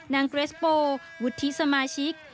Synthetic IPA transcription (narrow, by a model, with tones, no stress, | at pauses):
na˧ŋkɾe˦˥spoː˧ | wu˨˦t̪ʰːi˦˥sa˧maː˧ɕi˦˥k̚